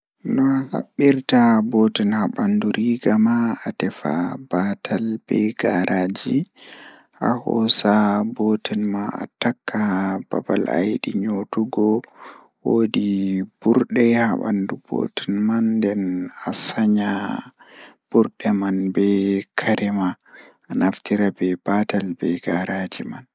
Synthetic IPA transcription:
nɔaha̰ɓːiɾtabotɛnhaɓanduɾʔiɡamaːtɛfa̰batʰalbɛɡaɾʔad͡ʒi | ʔa̰hɔ̰sabotʰɛnmana̰takːab̥a̰bala̰jɗiɲotuɡɔ | wodib̥uɾɗɛhaɓa̰ndubo̰tɛnmandɛnasaɲa | b̥uɾɗɛmanbɛkʰaɾɛma | anaftiɾabɛbatalbɛɡaɾad͡ʒiman

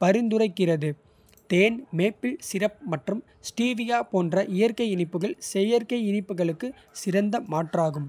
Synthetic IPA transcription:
pɐɾɪnd̪ɯɾɐɪkːɪrɐðɯ | t̪eːnmeːpːɪlsɪrɐp̚mɐʈrɯm | sʈiːʋɪjaːpoːndrɐʔɪjɐɾkɐɪɪnɪpːɯɣɐɭsɛjɐɾkɐɪɪnɪpːɯɣɐɭɯkːɯ | sɪɾɐnd̪ɐmaːʈraːɣɯm

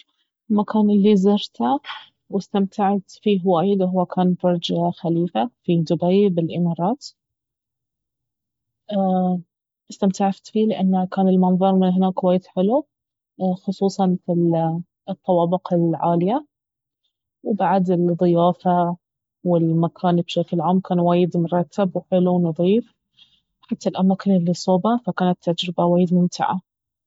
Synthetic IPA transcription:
lmakʰaːnɪlːizɑɾt̪a | wɪst̪amt̪aʕat̪fiɦwaːjɪd̪wɦʊwːakʰaːnbʊɾˤd͡ʒaxaliːfafid̪ʊbajbɪlʔɪmɑːɾˤɑːt̪ | a | ʔɪst̪amt̪aʕaft̪fiːlɪʔanːakaːnɪlmɑnðˤɑɾˤmɪnɦɪnaːkːwaːjːɪt̪ħɪlu | xʊsˤuːsˤɑnfil | t̪ˤːɑwɑːbɪqɪlʕaːlɪja | wbaʕd̪ɪlðˤɨjaːfa | wɪlmakʰaːnbʃaklʕaːmkaːnwaːjɪd̪mʊɾˤɑt̪ʰːabwħɪluwnɑðˤiːf | ħat̪ːalʔamaːkɪnɪlːisˤoːbafakaːnat̪ʰːad͡ʒɾɪbawaːjɪd̪mʊmt̪ɪ̰ʕa̰

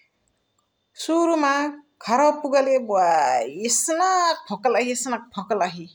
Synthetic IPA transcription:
suɾumakʰaɾɔpuɡalebuaesnak̚pʰɔkalaɦiesnak̚pʰɔkalaɦi

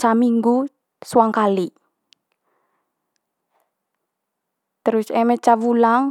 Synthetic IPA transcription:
t͡ʃamiŋɡu | swaŋkali | t̪əɾʊsemet͡ʃawulaŋ

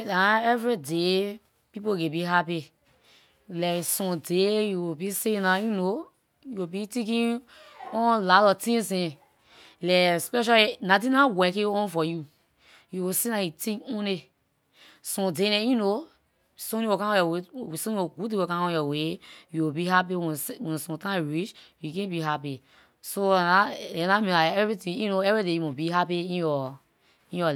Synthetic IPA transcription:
ãɛvɾide | pipoɡẽbiɦapi | lɛsɔ̃dejuwubisenajuno | juwebitikĩ | ɔ̃lalɔtĩsĩ | lɛspɛʃ̬alinat̬ĩnãwɛkĩɔ̃nfɔju | juwisenajitĩũne | sɔ̃denɛ̃juno | sõniwokãɔ̃jɔwesõnĩoɡudĩwokãɔ̃jɔwejuwibihap̬iwɛ̃wɛ̃nsɔ̃tãɹit͡ʃjukɛ̃biɦapi | soanaãnaminaɛvitĩjunoɛvɹidejumõbiɦapiĩnjɔ | ĩjɔ

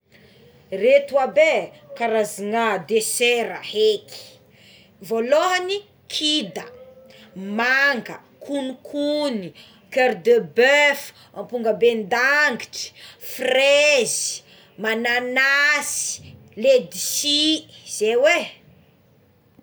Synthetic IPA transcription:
ret̪uabe | kaɾaziŋad̪eseɾəheki̥ | voloɦani | kʰid̪ə | maŋɡə | kʰunikʰuni | køɾd̪əbøf | ampuŋɡəbend̪aŋɡiʈ͡ʂi̥frezi̥ | mananasi̥ | led̪isiz̥ewe

